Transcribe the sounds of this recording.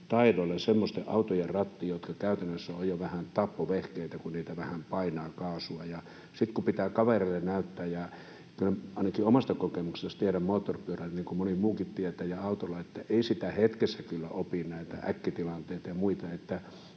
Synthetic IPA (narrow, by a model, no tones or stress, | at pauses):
t̪ɑidolːesemːost̪eʔɑ̰ut̪ojerrɑt̪ːiːjot̪kɑkæˑyt̪ænːøsːæojjoʋæhænt̪ɑpːoʋehkeit̪ækunniːt̪æʋæhæmpɑinɑːkɑːsuɑjɑ | sit̪kupit̪æːkɑʋerelːennæyt̪ːæːjjɑ | kylɑˑinɑkiomɑst̪ɑkokemuksest̪ieɾæmmoːt̪ːorpyørænniːŋkumonimuːkit̪t̪iet̪æːjɑɑut̪olːˑɑet̪ːæʔeˑisit̪æhet̪kesːækylːæ̰ʔopinnæˑit̪æ̰ʔæ̰kːit̪ilɑnt̪eˑit̪ɑjɑmuit̪ɑet̪ːæ